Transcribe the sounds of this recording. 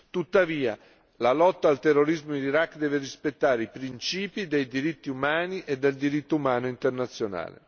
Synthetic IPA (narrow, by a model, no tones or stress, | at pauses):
t̪ut̪ːaviːa̰ | lalɔt̪ːaːlt̪erːoɾizmoiniɾakːd̪ɛːverispet̪ːaːɾeipɾint͡ʃiːpid̪ejd̪iɾit̪ːiumaːniʔed̪ːeld̪iɾit̪ːoumaːnoint̪ernat̪sːjona̰ːlḛ